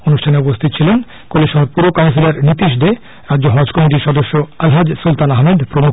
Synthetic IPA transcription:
onuʃʈʰaneupost̪ʰit̪ot͡ɕʰilen | koleʃɔɦoɾpuɾʋokawns̬ilaɾnit̪iʃ̬d̪e | ɾadd͡ʑoɦɔd͡ʑkɔmiʈ̬iɾʃɔd̪oʃːoalɦad͡ʑsult̪anaɦmed̪pɾomu

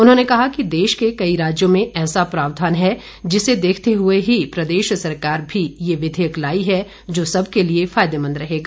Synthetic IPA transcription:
ʊnɦõːnekɐɦakid̪eːʃkekɐiɾaːd͡ʒjõmẽɛːsapɾaːʋd̪ʱaːnɦɛ | d͡ʒɪsed̪eːkʰt̪eɦʊeɦipɾɐd̪eːʃsɐɾkaːɾbʱijeʋɪd̪ʱejəklaːiɦɛ | d͡ʒoːsɐb̚ʱkeliefaːjd̪emə̃nd̪ɾɐɦeːɡaː

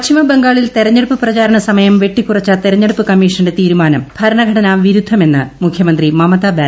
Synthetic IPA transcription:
ɐkɕʰimɐbeŋɡaːɭilt̪eɾɐɲːeɽupːɨprɐt͡ɕaːɾɐɳɐsɐmɐjɐmʋe̞ʈːikːurɐt͡ɕːɐt̪eɾɐɲːeɽupːɨkɐmːiːʂɐnɖe̞t̪iːɾumaːnɐmb̥ʱɐɾɐɳɐɡʱɐɽɐnaːmʋiɾud̪ʱːɐme̞nːɨmukʰjɐmɐnd̪rimɐmɐt̪abeː

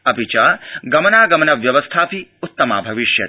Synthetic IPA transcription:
ɐpit͡ʃaːɡɐmɐnaːɡɐmɐnɐʋjɐʋɐst̪ʰaːpiut̪ːɐma̰ːbʱɐʋiʃjɐ

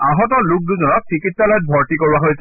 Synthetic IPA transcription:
aɦɔtɔluk̚duzɔnɔk̚tʰikitsalojt̚bʱɔɹtikoɹibaɦojsɛ

